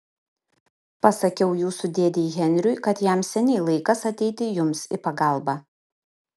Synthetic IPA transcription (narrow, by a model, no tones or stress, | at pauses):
pɐsɐkʲɛʊjuːsʊd̪ʲeɛd̪ʲɛɣʲɛnʲɾʲʊɪkɐt̪jæmsʲɛnʲɛɪlˠɐɪkɐsɐt̪ʲɛɪt̪ʲɪjʊmsɪpɐɡɐˑlˠbɑː